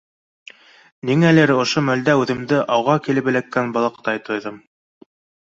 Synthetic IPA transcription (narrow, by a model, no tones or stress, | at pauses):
niŋælɘɾŏʃomæld̪æʉðɘ̆md̪ɘʔɑwʁɑkilɘ̆bɘ̆lækːænbɑ̆lˠɤq̚t̪ɑjt̪ŏjðɤm